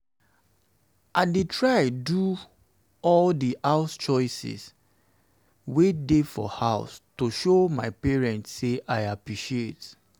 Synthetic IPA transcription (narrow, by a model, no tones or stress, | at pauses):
aɪdetɹaɪdu | ɔldiʔaʊst͡ʃɔɪsḭs | wedefɔ̰haʊstoʃomaɪpɛɹɛ̃ntseʔaɪapɹiʃiet